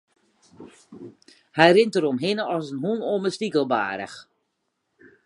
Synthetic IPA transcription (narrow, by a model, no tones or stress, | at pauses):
hɛjrɪntəɾɔmɦɪnəɔsənɦunoməstikəlˠba̰ːɾə̰x